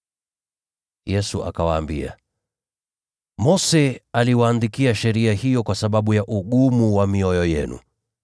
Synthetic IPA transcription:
jɛsuʔa̰kawaːmbia̰ | mɔsɛaliwaːndikiaʃɛɾiahijɔkwasaɓaɓujaʔuɠumuwamiɔjɔjɛnṵ

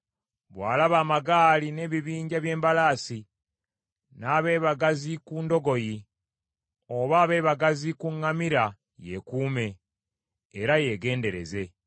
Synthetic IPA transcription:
βwaːlaβaːmaɡaːline̞ːβiβiːɲɟaβje̞ːmbalaːsi | naːβe̞ːβaɡazikuːndo̞ɡo̞ji | o̞βaːβe̞ːβaɡazikuŋːamiɾa | je̞̰kuːme̞ː | ɾaje̞ːɡe̞ːnde̞ɾe̞̰ze̞

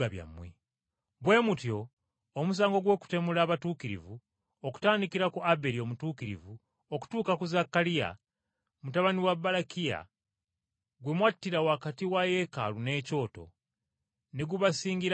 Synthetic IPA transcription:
aβja̰mːwḛ | bwe̞mutjo̞ː | mus̬aːŋɡo̞ɡwo̞ːku̥te̞mulaːβatuːkiɾḭvu | oku̥taːndikiɾakuʔabe̞ɾio̞mutuːkiɾḭvu | oku̥tuːkakuzakːalija̰ | mutaβaniwabːalakia̰ | ɡwe̞mwatːiɾawakatiwaje̞ka̰lune̞ːco̞ːto̞̰ | ne̞ɡuβasiːɲɟiɾ

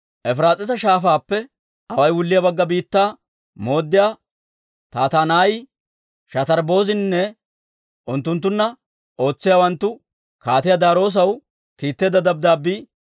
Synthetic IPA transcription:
ʔɛfɾaːt͡sʼɪs̬ɐʃaːfaːpːɛ | ɐwɐjwʊlːɪjɐbɐɡːɐbiːt̪ːaː | mo̞ːd̪ːɪjaː | t̪aːt̪aːnaːjɪ | ʃɐt̪ɐɾbo̞ːzɪnnːɛ | ʔʊnt̪ːʊnt̪ːʊnːɐ | o̞ːt͡sːɪjaːwɐnt̪ːʊ | kaːt̪ɪjad̪aːɾo̞ːs̬ɐw | kiːt̪ːeːd̪ɐd̪ɐb̚d̪aːbːiː

